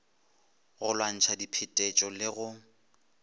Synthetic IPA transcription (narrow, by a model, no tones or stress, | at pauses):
ɣʊlwan̩t͡ʃʰadipʰɪtʼɛt͡ʃʼɔlɪɣʊ